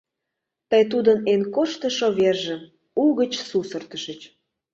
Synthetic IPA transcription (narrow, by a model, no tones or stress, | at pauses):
t̪əjt̪̬ud̪ənenkoʃt̪ə̆ʃoβerʒə̆ | uɣət͡ɕsusə̆rt̪əʃət͡ɕ